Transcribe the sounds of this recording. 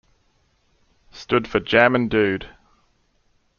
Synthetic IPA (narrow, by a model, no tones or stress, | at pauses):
stʊd̥fəd͡ʒɜmə̃ndʉːd̥